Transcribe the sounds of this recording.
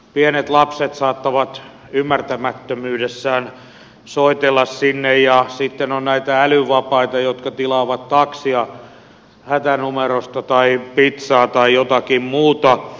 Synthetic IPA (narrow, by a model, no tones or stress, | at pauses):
pienet̪lɑpset̪sɑːt̪ːɑʋɑt̪ | ymːært̪æmæt̪ːømyːdesːæːn | soit̪elːɑssinːejjɑsit̪ːenonnæit̪æælyʋɑpɑit̪ɑjot̪kɑt̪ilɑːʋɑt̪t̪ɑksiɑ | hæt̪ænumerost̪ɑt̪ɑipit̪sɑːt̪ɑijot̪ɑkimmuːt̪ɑ